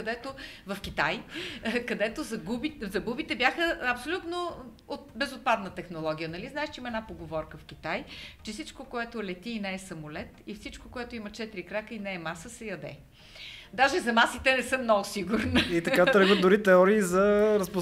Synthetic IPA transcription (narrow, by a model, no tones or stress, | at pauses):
kɐd̪ɛt̪ovɐfk̟it̪ajkɐd̪ɛt̪ozɐɡubizɐɡubit̪ɛbjaxəɐpsolʲut̪no | ot̪bɛzot̪̚pad̪nət̪ɛxnolˠɔɡ̟ʲijənɐliznaɛʃt͡ʃɛimɐɛdnapoɡovɔɾkəfk̟it̪ajt͡ʃɛfsit͡ʃkokoɛt̪olɛt̪iːnɛːsɐmolɛt̪ifsit͡ʃkokoɛt̪oimɐt͡ʃɛt̪ɾikɾakəinɛɛmasəsɛjɐd̪ɛ̰ | d̪aʒɛzɐmasit̪ɛnɛsɤmnɔɡʊsiɡʊɾnit̪ɐkat̪ɾəɡət̪̚d̪ʊɾit̪ɛɔɾiːzɐɾəspo